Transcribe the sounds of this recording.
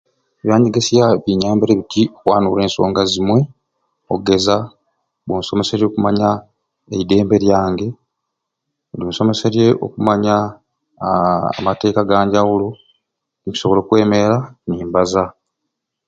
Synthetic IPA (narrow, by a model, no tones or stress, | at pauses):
eβjaːɲiɡesijaβiɲaːmbeɾeβitʰioxwaːnule̞ːnso̞̰ːŋɡazimwe̞ | oɡe̞za | βonso̞me̞seɾjo̞ːkumaɲa | eide̞ːmbe̞ɾjaːŋɡe̞ | olunso̞me̞seɾje̞ʔo̞̰kumaɲa | mate̞ːkaɡaːɲɟawulo | nimisoβo̞lo̞kwe̞ːme̞ɾaniːmbaza